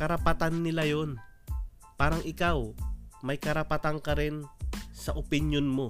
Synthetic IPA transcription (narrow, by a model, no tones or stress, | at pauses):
kɐɾɐpat̪anːɪlajon | paːɾɐŋʔɪkawmɐjkɐɾɐpɐt̪aŋkɐɾɪnsɐʔopɪnjonmo̞